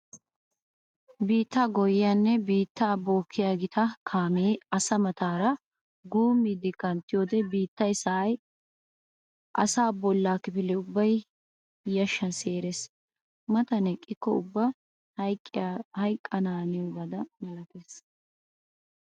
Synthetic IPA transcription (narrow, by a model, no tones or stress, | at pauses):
biːt̪ːaːɡɔjɪjanːɛbiːt̪ːaːbo̞ːkʰːɪjaːɡɪt̪ʰɐkʰaːmeːɐsɐmɐt̪ʰaːɾɐ | ɡuːmːid̪ɪkɐnt̪ːɪjoːd̪ɛbiːt̪ːɐjsɐʔɐj | ʔɐ̰saːbɔlːaːkːɪpɪlɛʊbːɐj | jɐʃːɐnseːɾes | mɐt̪ɐnɛkʼːɪkːɔʊbːɐ | hɐjkʼːɐnaːnɪjoːɡɐd̪ɐmɐɾɐt̪es